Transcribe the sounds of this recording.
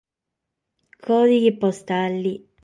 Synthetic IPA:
kʰɔːd̪iɡipost̪alːi

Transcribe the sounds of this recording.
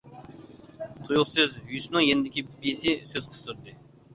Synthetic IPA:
t̪ʰujulˠsøzjysnɨŋjenɪd̪ɪkʲibesɪsøz̥qʰə̥sɨt̪ʰuɾd̪ɨ

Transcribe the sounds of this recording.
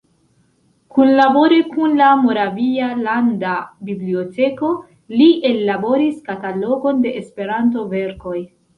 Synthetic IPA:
kunlabo̞ɾekunlamo̞ɾavialandabiblio̞te̞ko̞ | liʔe̞lːabo̞ɾiskatalo̞ɡo̞nde̞ʔespe̞ɾant̬o̞ve̞ɾko̞j

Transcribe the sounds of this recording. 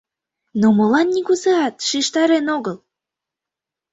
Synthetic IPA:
nomɤ̆lɑnːiɣuzeɑt̪ʃiʃt̪ɑɾenoɣəl

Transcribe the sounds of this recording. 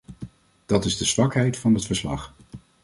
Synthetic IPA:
d̥ɑtɪzdəzʋɑkɦɛjtfɑnɦətfəɹslɑ̰χ

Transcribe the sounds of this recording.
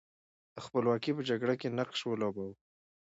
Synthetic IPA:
d̪̥əxpəlwɑkipəd͡ʒaɡɽakenaqʃwəlobaw

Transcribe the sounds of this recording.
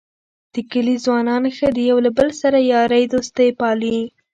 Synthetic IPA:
d̪̥əkəlizwɑnɑnxəd̪əjawlabəlsaɾajɑɾəjd̪ost̪əjpɑli

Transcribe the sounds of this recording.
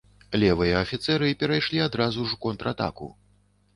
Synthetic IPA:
lʲɛvɨjɐːfʲit̪sɛɾɨpʲɛɾajʂlʲiad̪ɾazuʐukɔnt̪ɾat̪a̰kṵ

